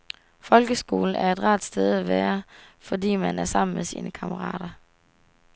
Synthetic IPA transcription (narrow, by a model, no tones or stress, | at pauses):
fɒ̽lɡ̥əsɡ̥o̝̰ːln̩æɐe̝d̥ʁɑ̈ːd̥sd̥eð̞ˠæʋæːɐfɒ̽dḭːmænæɐsɑ̈m̰n̩mesḭːnəkʰɑ̈məʁɑ̰̈ːd̥ɐ